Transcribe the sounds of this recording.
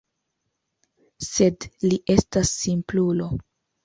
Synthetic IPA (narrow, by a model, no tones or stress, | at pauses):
se̞dliʔe̞stasːimplulo̞